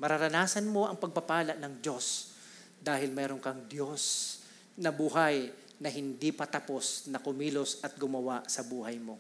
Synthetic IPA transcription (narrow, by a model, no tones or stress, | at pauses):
mɐɾɐɾɐnaːsɐnmo̞ʔɐŋpɐɡ̚pɐpaːlɐʔnɐŋd͡ʒo̞s | d̪aːɦɪlmɛːɾonkɐŋd̪jo̞s | nɐbuːɦɐj | nɐɦɪnd̪ipɐt̪ɐpo̞snɐkʊmiːlo̞sʔɐt̪̚ɡʊmɐwaʔsɐbuːɦɐjmo̞